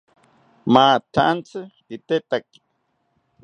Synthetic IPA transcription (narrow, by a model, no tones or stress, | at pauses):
maːt̪ʰant͡sɨ | it̪et̪aki̥